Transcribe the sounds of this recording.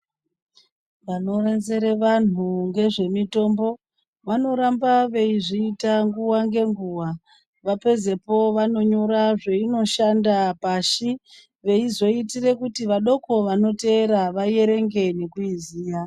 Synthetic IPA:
ʋano̞renzeɾeʋan̤uŋɡe̞ʐe̞mito̞mbo̞ | ʋano̞ɾambaʋe̞iʐiitaŋɡuwaŋɡe̞ŋɡuwa | ʋape̞ze̞po̞ʋano̞ɲo̞ɾaʐe̞ino̞ʃandapaʃi | ʋe̞izo̞itire̞kutiʋaɗo̞ko̞ʋano̞te̞ːɾaʋaje̞ɾe̞ŋɡe̞ne̞kuiziːja

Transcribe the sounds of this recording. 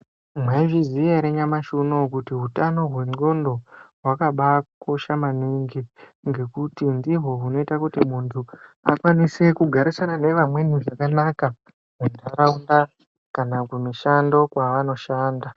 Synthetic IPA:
mwaiʐiziaɾeɲamaʃuno̞kutiɦutano̞ɦwe̞ŋ͡ǀo̞ndo̞ɦwakaɓako̞ʃamaniŋɡiŋɡe̞kutindiɦo̞ɦuno̞itakutimuntʰua̰kwanise̞kuɡʱaɾisanane̞ʋamwe̞nuʐakanaka | mundʱaɾaunda | kanakumiʃando̞kwaano̞ʃaːnda

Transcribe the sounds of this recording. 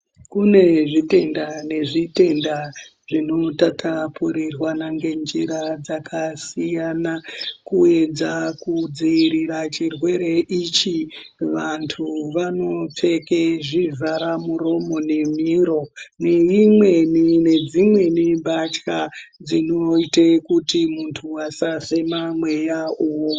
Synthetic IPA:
kune̞ʐite̞ndane̞ʐite̞ndaʐino̞tatʰapuɾirwanaŋɡe̞nd͡ʒiɾad͡zakʰasijanakue̞d͡zakud͡ziiɾirat͡ʃirwe̞ɾe̞ʔit͡ʃiʋantʰuʋano̞p͡fe̞keʐivaɾamuro̞mo̞ne̞miɾo̞ne̞imwe̞nine̞d͡zimwe̞nibʱat͡ʃkad͡zino̞itekutimuntʰuwasase̞mamwe̞jaowo

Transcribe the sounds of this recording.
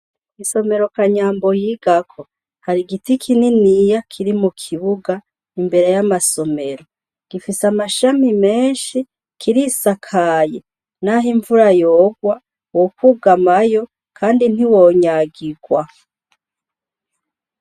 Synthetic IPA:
iso̞me̞ɾo̞kaɲaːmbo̞jiɡ̥akʰo | haɾiɡitikʰininijakʰiɾimukʰiβuɡa | imbe̞ɾe̞jamaso̞me̞ɾo̞ | ɡ̥ifisamaʃamime̞ːnʃi | kʰiɾisakʰaje | naɦiɱvuɾajoːɡwa | wokuɡamajo̞ | kʰaːndin̥iwo̞ːɲaɡiɡ̥wa

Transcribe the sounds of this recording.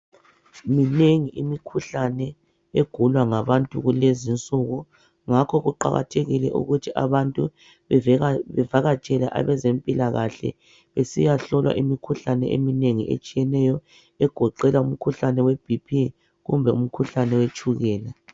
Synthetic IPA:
mineŋiʔimikʰuɬanɛ | eɡ̥ʱulwaŋaβantʼṵɣulezint͡sʼuɣu | ŋakʰɔɣuǃa̰ɣa̰tʰeɣilɛ̰ʔṵɣutʰiʔa̰βantʼu | βɛvaɣat͡ʃʼɛlaʔa̰βɛzempʼilaɣaɬɛ̰ | βesḭjaɬɔlwa̰ʔimikʰuɬanɛ̰ʔḛmineŋḭʔḛt͡ʃʼijɛnɛjɔ | ɛɡ̥ʱɔǃɛlaum̩kʰuɬanɛweb̥ʱipʰi | ɣumbʱɛum̩kʰuɬanɛwet͡ʃʼuɣɛːla

